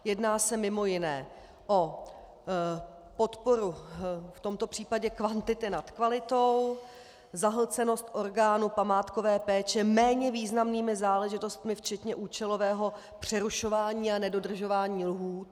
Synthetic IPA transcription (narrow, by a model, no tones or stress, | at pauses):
jɛdnaːsɛmɪmo̞jɪnɛː | ʔo̞ | po̞t̪po̞ɾuft̪o̞mt̪o̞pr̥iːpaɟɛkvant̪ɪt̪ɪnat̪kvalɪt̪o̞w | zaɦl̩t͡sɛno̞st̪ʔo̞ɾɡaːnupamaːt̪ko̞vɛːpɛːt͡ʃɛmɛːɲɛviːznamniːmɪzaːlɛʒɪt̪o̞st̪mɪft͡ʃɛt̪ɲɛʔuːt͡ʃɛlo̞vɛːɦo̞ | pr̝̥ɛɾuʃo̞vaːɲiːanɛdo̞dr̩ʒo̞vaːɲiːlɦuːt̪